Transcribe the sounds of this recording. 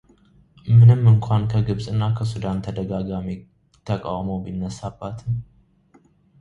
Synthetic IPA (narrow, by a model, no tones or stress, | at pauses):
mɨnɨmːɨŋkʰʷankʰəɡɨβsʼɨnːakʰəsud̪ant̪ʰəd̪əɡaɡami | t̪ʰəkʼa̰wmowbinːəsabːat̪ʰɨn